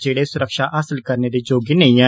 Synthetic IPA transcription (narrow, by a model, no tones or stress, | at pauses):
d͡ʒeːɽeːsʊɾəkʃaːʔəsəlkəɾneːd̪eːd͡ʒoːɡiːnəĩːã